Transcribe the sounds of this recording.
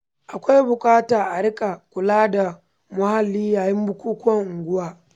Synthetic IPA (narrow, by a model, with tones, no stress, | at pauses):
ʔa˨kʷa˦jbʊ˨kʼaː˦taː˨ʔa˨ɽɪ˦kʼa˨kʷʊ˨laː˦da˨ | mʊ˦ha˨lːiː˦jaː˨jɪ˦mbʊ˦kʷuː˦kʊ˦wɐ˨ŋʔʊ˨ŋɡʷʊ˦waː˦